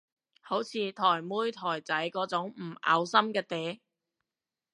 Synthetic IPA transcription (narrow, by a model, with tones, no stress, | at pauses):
ho˨˥wt͡sʰiː˨˧t̪ʰɔː˨˩jmuː˥jt̪ʰɔː˨˩jt͡sɐ˨˥jkɔː˨˥t͡sʊ˨˥ŋm̩˨˩a̰˨˧wsɐ˥mkɛː˧t̪eː˨˥